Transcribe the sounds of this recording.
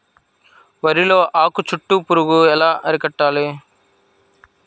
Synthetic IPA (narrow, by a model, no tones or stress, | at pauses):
ʋɐɾilo̞ːʔaːkut͡ʃuʈːupuɾuɡuɛlaːʔɐɾikɐʈːaːli